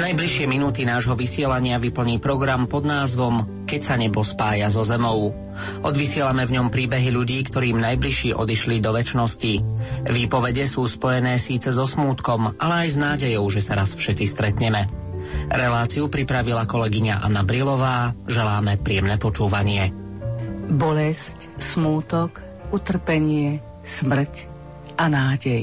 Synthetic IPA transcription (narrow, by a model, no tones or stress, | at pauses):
najbliʃɪɛminuːt̪inaːʒɦɔʋisɪɛlaɲɪaʋipl̩ɲiːpɾɔɡɾampɔd̪naːzʋɔm | kɛcsaɲɛbɔspaːjazɔzɛmɔʊ | ʔɔd̪ʋisɪɛlamɛvɲɔmpɾiːbɛɦiʎuɟiːkt̪ɔɾiːmnajbliʃiːʔɔ̰d̪iʃlid̪ɔʋɛt͡ʃnɔsciʋiːpɔʋɛɟɛsuːspɔjɛnɛːsiːt͡sɛzɔsmuːt̪kɔmʔalɛajznaːɟɛjɔʊʒɛsaɾasfʃɛtt͡sist̪ɾɛt̪ɲɛmɛ | ɾɛlaːt͡siupɾipɾaʋilakɔlɛɡiɲaʔa̰nabɾilɔʋaːʒɛlaːmɛpɾɪɛmnɛːpɔt͡ʃuːʋaɲɪɛ | bɔlɛsc | smuːt̪ɔk | ut̪r̩pɛɲɪɛ | smr̩c | ʔanaːɟɛj